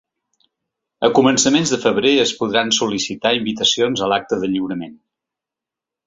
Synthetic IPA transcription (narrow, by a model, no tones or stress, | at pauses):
əkumənsəmenzðəfəβ̞ɾeəspuðɾansulisit̪aimbit̪əsionzəlak̚t̪əðəʎiwɾəmen